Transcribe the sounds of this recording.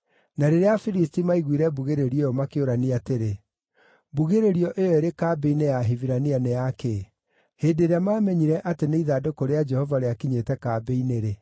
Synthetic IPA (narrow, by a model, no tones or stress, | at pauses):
naɾeɾeafiɾistimaiɣwiɾɛbuɣeɾeɾieɔmakeoɾaniateɾe | buɣeɾeɾiɔʔejɔeɾekaːbeinejaɦiviɾanianɛjake | heːdeɾeamaːmɛɲiɾɛʔateneiðadokoɾead͡ʒɛhɔvaɾeakiɲetɛkabeineɾe